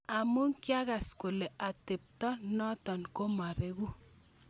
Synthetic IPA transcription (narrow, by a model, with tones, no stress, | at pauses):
a˨mu˦ŋkja˦ɣa˨sku˨lɛ˨ʔa˨tɪ˨p̚tɔ˦nɔ˦tɔ˨nko˦ma˨ɾe˨ɣu˦